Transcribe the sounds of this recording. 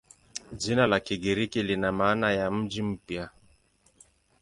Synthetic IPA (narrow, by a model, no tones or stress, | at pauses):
d͡ʒinalakiɡiɾikilinamaːnajam̩d͡ʒim̩pja